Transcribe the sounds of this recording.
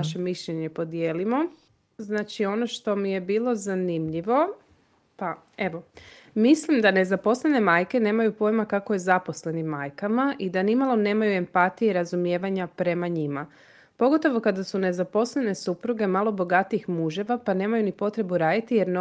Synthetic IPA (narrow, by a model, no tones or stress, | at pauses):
aʃe̞miʃʎe̞ɲe̞po̞d̪jeːlimo̞ | znaːt͡ʃio̞no̞ʃt̪o̞mije̞biːlˠo̞zanimʎiʋo̞ | pa | e̞ʋo̞ | mislimd̪ane̞zapo̞slene̞majke̞ne̞ːmajupo̞jmakako̞je̞zapo̞sle̞nimːajkamaʔid̪animalˠo̞ne̞ːmajue̞mpat̪ijeɾazumje̞ːʋaɲapɾe̞maɲima | poɡo̞t̪o̞ʋo̞kad̪asune̞zapo̞sle̞ne̞supɾuɡe̞malˠo̞bo̞ɡat̪iixmuʒe̞ʋapane̞ːmajunipo̞t̪ɾe̞buɾaːd̪it̪ije̞ɾn